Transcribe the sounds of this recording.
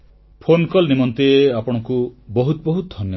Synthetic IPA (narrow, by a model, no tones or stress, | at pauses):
pʰonkɔlnimɔnt̪ieapɔɽ̃ɔŋkubɔɦut̪bɔɦut̪̚d̪ʱɔnjɔ